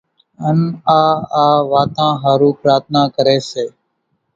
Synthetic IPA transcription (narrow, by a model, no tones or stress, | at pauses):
ənaːaːʋaːt̪ãːɦaːɾuːpɾaːɾt̪̚ʰnaːkəɾeːseː